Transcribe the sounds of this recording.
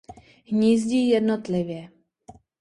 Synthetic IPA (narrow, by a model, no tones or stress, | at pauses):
ɦɲiːzɟiːjɛdnot̪lɪvjɛ